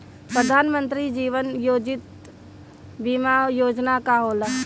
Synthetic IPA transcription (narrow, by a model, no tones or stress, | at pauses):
pɾəd̪ʱaːnmə̃nt̪ɾid͡ʒiːʋənjoːd͡ʒɪt̪̚ | bimajoːd͡ʒnakaɦoːla